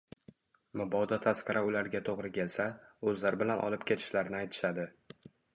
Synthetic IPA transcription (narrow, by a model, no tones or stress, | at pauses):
mʊbɒd̪ɒt̪ʰasqɑɾʔaʊlaɾɡʲat̪ʰoʁɾɪkʲʰe̞lsaɵzlaɾɪbɪlanʔɒ̰lɪpkʲʰe̞t̪ʰɪ̥ʃlaɾnɪajt̪ʰɪ̥ʃad̪ɪ